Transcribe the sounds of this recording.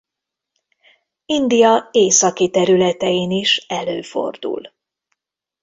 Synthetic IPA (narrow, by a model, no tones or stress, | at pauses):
ind̪ijɒeːsɒkit̪ɛɾylɛt̪ɛjiniʃɛløːfo̞̰rd̪ṵl